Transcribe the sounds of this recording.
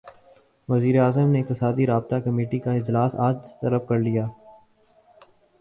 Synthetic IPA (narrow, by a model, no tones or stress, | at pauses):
ʋɐziːɾeaːzəmneːɪk̚t̪ɪsaːd̪iɾaːb̚t̪akɐmeːʈikaɪd͡ʒlaːsa̰ːd͡ʒt̪ɐləbkɐɾlijaː